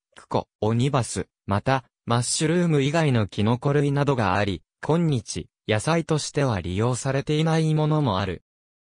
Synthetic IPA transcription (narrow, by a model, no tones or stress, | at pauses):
kɯ̟̥ko̞̰oɲ̟ibasɨ | mat̪a | maɕːɨɾɯːmɯ̟iɡaino̞kʲino̞ko̞ɾɯ̟inad̪o̞ɡaaɾʲi | kʰõ̞ɲ̟ːit͡ɕi | jasait̪o̞ɕi̥t̪e̞β̞a̰ɾʲijo̞ːsaɾe̞t̪e̞inaimo̞no̞mo̞aɾɯ̟̰